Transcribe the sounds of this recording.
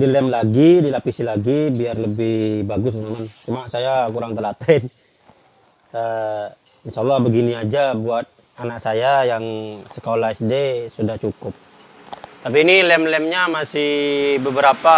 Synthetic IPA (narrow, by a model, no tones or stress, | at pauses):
dilɛmlaɡidilapisilaɡibiarləbɪhbaɡʊs̬mamant͡ʃumasajakuɾaŋt̪əlat̪aɪn | ə | ɪnʃaːlːɑhbəɡiniad͡ʒabuat̪̚ | anak̚sajajaŋsə̥kolaisdesudaht͡ʃukʊp̚ | t̪ap̬iːnilɛmlɛmɲamasɪhbəbəɾapa